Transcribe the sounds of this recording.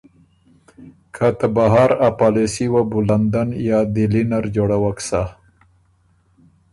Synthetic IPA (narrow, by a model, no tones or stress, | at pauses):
kʰat̪abaɦaɾapalesiwabuland̪anjɑd̪ilinaɾd͡ʒoɽawaksa